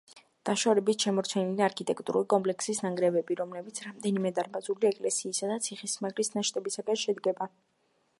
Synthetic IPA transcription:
d̪̥aʃavɾɛbit̪ʃamɔɾtt͡ʃʰɛniliaɾkʰit̪ʼɛkʼt̪ʼuɾulikʼɔmpʼlɛksisnaŋɡɾɛvɛbiɾɔmlɛbit̪sʰɾamd̪ɛnimɛd̪aɾbazuliɛkʼlɛsiːsad̪at̪sʰiχismaɡɾisnaʃt̪ʼɛbisaɡanʃɛd̪ɡɛba

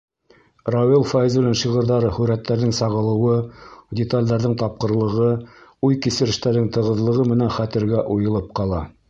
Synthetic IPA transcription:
rowilˠfajzbɘ̆lænʃiʁɤ̆ɾðɑɾɤhʉɾæt̪ːæɾðɘŋsɑʁɤ̆lˠɤ̆wɤdʲɪt̪alʲd̪ɑɾðɘŋt̪ɑp̚qɤ̆ɾlˠɤ̆ʁɤujkisɘ̆ɾɘ̆ʃt̪æɾðɘŋt̪ɤ̆ʁɤ̆ðlˠɤ̆ʁɤmɘ̆nænχæt̪ɘ̆ɾɡæʔujɤ̆lˠɤp̚qɑlˠɑ

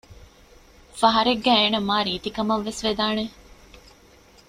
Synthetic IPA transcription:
fɐɦɐɾeɡːæeːnɐmːaːɾiːt̪ikɐmɐʋːesʋed̪aːne

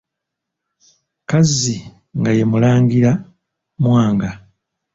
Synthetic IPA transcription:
kazi | ŋɡaje̞mulaːŋɡiɾa | mwaːŋɡa

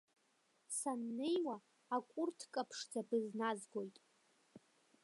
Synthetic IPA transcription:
sanːejwaː | kʷʼʊrtʰkʼapʰʂd͡zabɨznazɡʷo̞jtʼ

